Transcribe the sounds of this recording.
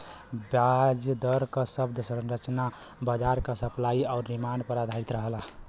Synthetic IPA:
bjad͡ʒd̪əɾkəsəb̚d̪ʱsənɾət͡ʃna | bəd͡ʒaɾkəsəplaiaʊɾːimanpəɾad̪ʱait̪ɾəɦəla

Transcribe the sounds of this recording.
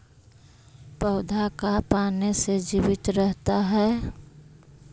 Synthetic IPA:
pəʊd̪ʱakapaːnesed͡ʒiwɪt̪ɾəɦt̪aɦɛː

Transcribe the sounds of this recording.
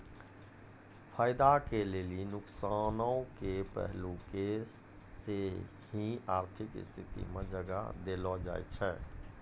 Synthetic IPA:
fʰaːɪd̪akeleːlinʊksaːnookepɛ̰ɦluke | se | hĩaːɾt̪ʰɪkɪ̰st̪ʰɪt̪ḭmḛ̃d͡ʒəɡa̰d̪eːlɔd͡ʒa̰ːḭt͡ʃʰɛː

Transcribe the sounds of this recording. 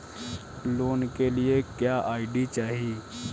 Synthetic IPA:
loːnkelɪekjaːʔaːɪɖit͡ʃaːɦiː

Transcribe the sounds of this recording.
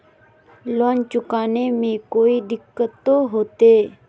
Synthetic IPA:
lɔːnt͡ʃʊkaːnemẽkoːiɖɪkːət̪ːoɦoːt̪eː

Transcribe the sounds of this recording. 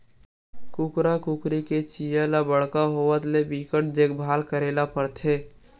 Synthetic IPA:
kʊkɾakʊkɾiket͡ʃijalabəɽ̤kaɦoːwət̪lebikəʈd̪eːk̚bʱaːlkəɾeːlapəɾt̪ʰeː

